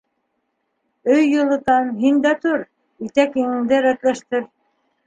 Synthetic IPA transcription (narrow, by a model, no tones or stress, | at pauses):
ɵjːŭlˠɤ̆t̪ɑnɦind̪æt̪uɾ | it̪ækiŋɘ̆ŋd̪ɘɾæt̪læʃt̪ɘɾ